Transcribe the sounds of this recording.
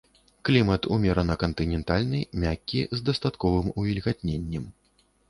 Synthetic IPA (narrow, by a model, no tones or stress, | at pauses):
klʲimɐt̪umʲɛɾɐnɐkɐnt̪ɨnʲɛnt̪alʲnɨjmʲakʲːizd̪ɐst̪at̪kɔvɨmuvʲilʲɣat̪̚ʲnʲenʲːɛm